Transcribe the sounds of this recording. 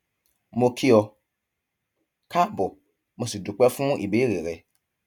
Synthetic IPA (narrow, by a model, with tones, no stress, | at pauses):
mo˧kʰi˦ɔ˧ | ka˦bɔ˨ | mo˨si˨du˨k͡pɛ˦fũ˦ʔi˨be˨˦ɾe˨ɾɛ˨